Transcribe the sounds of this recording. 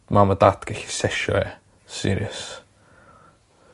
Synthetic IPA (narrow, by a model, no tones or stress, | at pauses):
maməd̪at̪ɡ̥ɪxsɛʃṵɛ̰ | sḭɾiəs